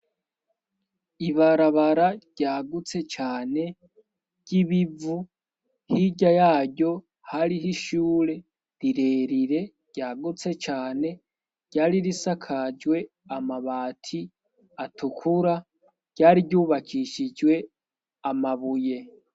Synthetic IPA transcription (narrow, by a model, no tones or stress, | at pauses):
iβaɾaβaɾaɟ̥aːɡut͡se̞t͡ʃaːne̞ | ɟ̥iβivu | hiɟajaːɟo̞ | haɾiɦiʃuːɾe̞ | ɾiɾe̞ːɾiɾe̞ | ɟ̥aːɡut͡se̞t͡ʃaːne̞ | ɟ̥aːɾiɾisakʰad͡ʒwe̞ | amaβaːtʰi | atukʰuɾa | ɟ̥aːɾiɟuːβakʰiʃid͡ʒwe̞ | amaβuje̞